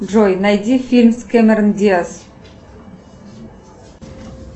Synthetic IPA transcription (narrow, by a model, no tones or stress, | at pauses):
ʒojnæjd̪ʲifilʲmskʲemʲeɾnd̪ʲias